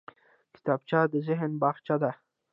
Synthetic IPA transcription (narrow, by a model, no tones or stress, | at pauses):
kɪ̥t̪ɑb̚t͡ʃɑd̪əzɪɦənbɑxt͡ʃad̪a